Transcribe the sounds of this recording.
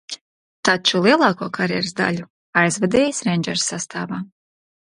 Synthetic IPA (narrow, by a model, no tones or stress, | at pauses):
t̪at͡ʃulˠiɛlˠɑːkuɔkaɾjɛɾsd̪a̰lʲu | ajzvad̪ɛːjisɾɛnʲd͡ʒɛɾsːast̪ʰaːvaː